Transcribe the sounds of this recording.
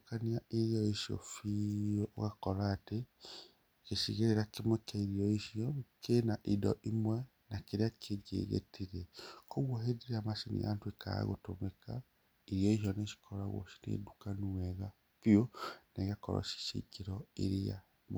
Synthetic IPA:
kaniaeɾjɔeʃio̰fioɣakɔɾaːte | keʃiɣeɾeɾakemekaiɾiɔiʃiɔkʰenaʔidɔ̰ʔimwɛ | nakeɾeakʰeɡḛɣḛtʰiɾɛkoɣwaɦeðiɾamaʃinḭa̰ntweka̰a̰ɣo̰tomeka | iɾijɔiʃ̬jɔneʃi̥kʰɔɾaɣo̰ʃi̥nḛdukanuwɛɣa | kioneɣakɔ̰ɾɔ̰ʃi̥ʃḭkeɾɔḛɾia̰ | m

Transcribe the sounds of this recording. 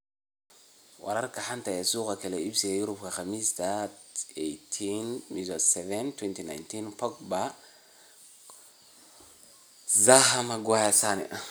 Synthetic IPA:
wɐ̰ɾɐrkʰɐħant̪ɐjɛsuːqakʰɛlɛibsiɡɐjuɾubkʰɐxamist̪ʰaejt̪ʰinmizɔsɛvɛnt̪ʰwɛnt̪ina̰jnt̪inpɔk̚ba | zaɦɐmɐɡwajasanɛ̰ʔa

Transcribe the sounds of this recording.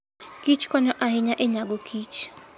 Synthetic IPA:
kit͡ʃkɔɲɔʔaɦɪɲaʔɛɲaɡokʰit͡ʃ

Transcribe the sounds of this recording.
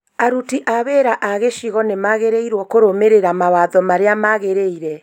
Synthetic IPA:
aɾutiʔaβeɾaʔaɣeʃiɣɔnemaɣeɾeiɾwɔkoɾomeɾeɾamawaðɔmaɾeamaɣeɾeiɾɛ

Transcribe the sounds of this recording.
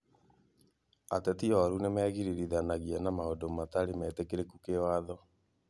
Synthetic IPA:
atɛtiɔɾunemɛːɣiɾiɾiðanaɣiɛnamaodomataɾimɛtekeɾekukewaðɔ

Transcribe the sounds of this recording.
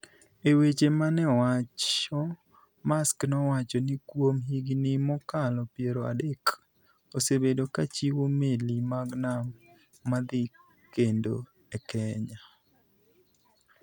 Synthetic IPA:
ewet͡ʃemanɛwat͡ʃɔ | masknɔwat͡ʃɔnɪkwomɦiɡnɪmɔkalɔpjeɾoa̰dek | osebedokat͡ʃiwomelimaɡnamː | ad̪ɪ | kendo̰ | ɛkɛɲa

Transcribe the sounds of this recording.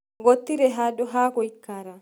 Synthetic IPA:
ɡɔt̪ːɪɾɛɦaːd̪ɔɦaːkɔɪkːaːɾɐ

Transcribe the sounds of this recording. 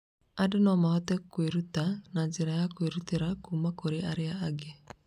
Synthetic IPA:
adenɔmahɔtɛkweɾutanad͡ʒeɾajakweɾuteɾakuːmakoɾeaɾeaːɡe

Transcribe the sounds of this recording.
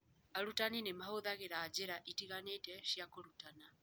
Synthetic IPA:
aɾutaninemahoðaɣeɾaːd͡ʒeɾaʔitiɣanetɛʃjakoɾutana

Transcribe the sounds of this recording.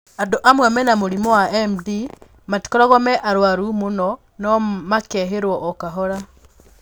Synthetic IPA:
adoʔamwɛmɛnamoɾimɔwaʔɛmdi | mati̥kɔɾɔɣɔmɛʔaɾwaɾumonɔ | nɔmakɛɦeɾwɔʔɔkaɦɔɾa

